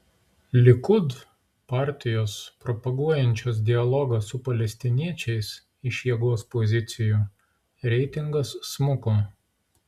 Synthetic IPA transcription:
lʲɪkʊd̪ | pɑˑɾʲt̪ʲɪjoːspɾɔpɐɡuɔjɛnʲt͡ʃʲoːs̬d̪ʲɪɐlˠɔɡɐsʊpɐlʲɛsʲt̪ʲɪnʲiɛt͡ʃʲɛɪs | ɪʃjiɛɡoɔspɔzʲɪt̪sʲɪju | ɾʲɛɪt̪ʲɪŋɡɐsːmʊkoː

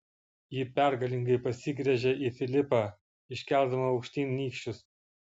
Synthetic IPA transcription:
jiːpʲæˑɾɡɐlʲɪŋɡɐɪpɐsʲɪɡɾʲɛʒʲɛifʲɪlʲɪpɑː | ɪʃʲkʲɛlˠʲd̪ɐmɐɒʊkʃʲt̪ʲiːnʲnʲiːkʃʲt͡ʃʲʊs

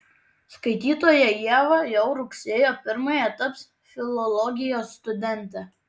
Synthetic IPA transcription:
skɐɪt̪ʲiːt̪oːjɛjiɛʋɐjɛʊɾʊksʲeːjoːpʲɪɾmɐjɛt̪ɐps | fʲɪlˠɔlˠɔɡʲɪjoːsːt̪ʊd̪ʲɛnʲt̪ʲɛ

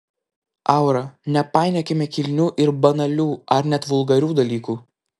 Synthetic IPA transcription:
ɑˑʊɾɐnʲɛpɑˑɪnʲɛkʲɪmʲɛkʲɪlʲnʲuːʔɪɾbɐnɐlʲuːɐɾnʲɛt̪ʋʊlˠɡɐɾʲuːd̪ɐlʲiːkuː

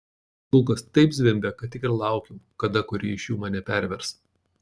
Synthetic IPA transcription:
ʊlˠkɐst̪ɐɪpzʲʋʲɪmʲbʲɛkɐt̪ʲɪkʲɪɾlˠɑˑʊkʲɪmkɐd̪ɐkʊɾʲiːɪʃʲjuːmɑːnʲɛpʲæˑɾʲʋʲɛɾs

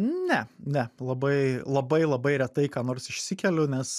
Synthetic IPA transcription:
nʲɛnʲɛlˠɐbɐɪlˠɐbɐɪlˠɐbɐɪɾʲɛt̪ɐɪkɑːnoːrsɪʃʲsʲɪkʲɛlʲʊnʲɛs

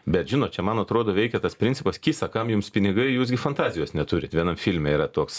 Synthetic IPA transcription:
bʲɛt̪ʒʲɪnoːt̪̚t͡ʃʲɛmɐnɐt̪ɾoːd̪oːʋʲɛɪkʲɛt̪ɐspʲɾʲɪnʲt͡sʲɪpɐskʲiːsɐkɐmjuːmspʲɪnʲɪɡɐɪjuːsɡʲɪfɐnt̪ɑːzʲɪjoːsnʲɛt̪uːɾʲɪt̪ʋʲiɛnɐmfʲilʲmʲɛiːrɐt̪oːks

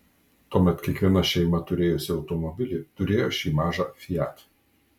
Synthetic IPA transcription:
t̪uɔmʲɛt̪kʲiɛkʋʲiɛnɐʃʲɛɪmɐt̪ʊɾʲeːjʊsʲɪɒʊt̪ɔmɔbʲɪlʲɪt̪ʊɾʲeːjoːʃʲiːmɑːʒɑːfʲɪjæːt̪

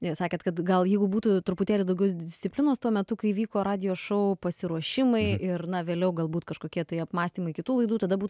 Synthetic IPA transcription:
sɑːkʲeːt̪kɐt̪ɡɐlˠjɛɪɡʊbuːt̪ut̪ʊɾʊpʊt̪ʲæːlʲɪd̪ɐʊɡʲɛʊs̬d̪ʲɪsʲt̪t͡s̪ʲɪpʲlʲɪnoːst̪uɔmʲɛt̪ʊkɐɪʋʲiːkoːɾɑːd̪ʲɪjoːʃɐʊpɐsʲɪɾuɔʃʲɪmɐɪɪrnɐʋʲeːlʲɛʊɡɐlˠbuːt̪kɐʃkoːkʲiɛt̪ɐɪɐpmɑːsʲt̪ʲiːmɐɪkʲɪt̪uːlˠɐɪd̪uːt̪ɐd̪ɐbuːt̪

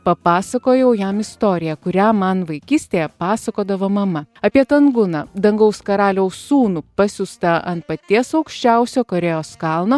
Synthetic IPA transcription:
pɐpɑːsɐkoːjɛʊjɛmɪst̪oːɾʲɪjɛkʊɾʲæːmɐnʋɐɪkʲiːsʲt̪ʲeːjɛpɑːsɐkoːd̪ɐʋoːmɐmɐɐpʲiɛt̪ɐŋɡʊnɐːd̪ɐŋɡɐʊskɐɾɑːlʲɛʊsuːnupɐsʲʊst̪ɐʔɐnt̪pɐt̪ʲiɛsɐʊkʃʲt͡ʃʲæˑʊsʲoːkoɾʲɛjoːskɐlˠnoː

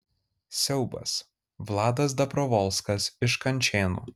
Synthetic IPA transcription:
sʲɛʊbɐ̰s | ʋlˠɑːd̪ɐs̬d̪ɐpɾɔʋɔlˠskɐsɪʃkɐnʲˑt͡ʃʲeːnṵː

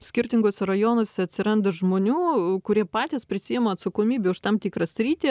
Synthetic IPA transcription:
sʲkʲɪɾʲt̪ʲɪŋɡoːsʲɛɾɐjoːnoːsʲɛɐt̪ʲsʲɪɾɐnd̪ɐʒmoːnʲuːkʊɾʲiɛpɑːt̪ʲiːspʲɾʲɪsʲiːjɛmɐɐt̪sɐkoːmʲiːbʲeʊʃt̪ɐmt̪ʲikɾɐsʲɾʲiːt̪ʲi

